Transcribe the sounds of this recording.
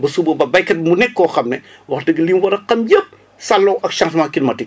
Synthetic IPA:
bɐsubɐbɐbɐjkːɐtmunɛkːɔːxɐmnɛ | wɐxdɐɡɐliːnwɐɾɐqɐmjep̚ | sɐlːɔʔɐkʃɐŋtmaːkinmɐti

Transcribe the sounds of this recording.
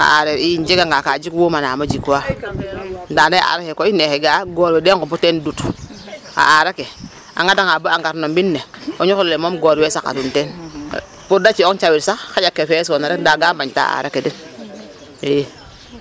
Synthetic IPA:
a̰a̰ɾeɾiind͡ʒeɡaŋɡakad͡ʒikwomanaːmad͡ʒika | ndanaʔa̰ɾakekoineheɡaɡoːɾwedekuputendut | a̰aɾake | a̰ŋadaŋabaaŋɡaɾnombinːeoɲukollemomɡoɾwesakːa̰tunten | pudat͡ʃioŋt͡ʃawiɾsakxad͡ʒakːefesonaɾekdaɡabaɲta̰a̰ɾakeden | e

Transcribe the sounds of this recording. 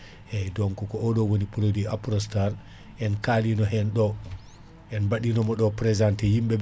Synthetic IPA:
ɛdɔŋkɔkɔʔɔɗɔwonipɔlodiapɾɔstaɾ | ʔɛnkalinɔɦɛnɗɔ | ʔɛnbaɗinɔmɔɗɔpɾɛzantɛhimbɛb

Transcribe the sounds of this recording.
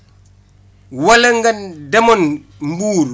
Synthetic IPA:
wɐlɐŋɡɐndɐmon | mbuːɾ

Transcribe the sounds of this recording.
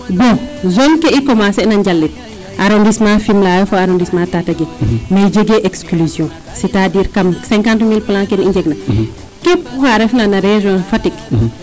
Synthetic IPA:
buzɔnkɛikɔmasɛnɐɲd͡ʒalːit̚ | ʔaɾondismãfimlaːjɔfoaɾɔndismãtatɐɡemed͡ʒeɡeʔɛkskluzjɔ̃ | sitadiːɾkɐmsɛŋkantmilplãŋkɛniɲd͡ʒɛɡnɐ | kɛpːuxaɾɛfnanɐɾɛʒɔ̃nfɐtik

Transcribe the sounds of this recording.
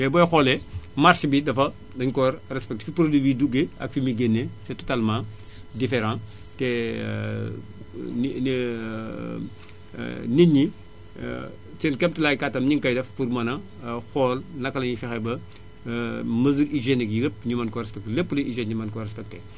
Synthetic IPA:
ɛbɔːjxɔːlɛmarʃbidɐfɐ | dɐɲkɔrrɛspɛk̚tfipɾodibiduɡeɐ̰kfimiɡenːesɛtɔtalmãː | difeɾɑ̃ː | tɛ | n | neɲːḭ | sɛnkɛmtilaɡkatːɐmɲiŋkɐjdɐfpuɾmɐnɐ | xɔːlnɐkːɐlɐɲifɛxɛbɐ | mɐzuɾiʒeniɡiɡəpɲumɐnkɔɾɛspɛk̚tlepːuliiʒɛnɲumɐnkɔrɛspɛk̚tɛ

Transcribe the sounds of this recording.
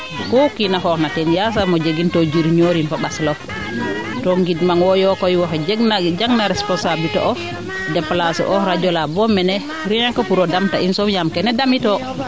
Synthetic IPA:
kokinakɔknatɛnjas̬amod͡ʒeɡintɔd͡ʒiɾɲoɾinfabaslɔ | toŋɡidmaŋwɔjɔkɔjwakad͡ʒeɡnad͡ʒaɡnaɾɛspɔnsablitɔ̰ʔɔ | dɛplasɛ̰ʔɔɾad͡ʒɔlabɔmɛnɛ | ɾinaŋkapuɾɔdamtainsɔmjamkɛnɛdamitɔ

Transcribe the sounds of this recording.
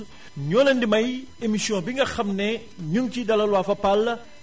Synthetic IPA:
ɲɔnɐndimɐjemisjɔ̃biŋɡɐxɐmnɛ | ɲuŋtidɐlɐlwafɐpalː

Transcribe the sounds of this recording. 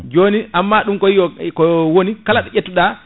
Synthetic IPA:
d͡ʒoːniʔamːaɗumkɔijɔkɔwonikalaɗɛʔetːuɗa

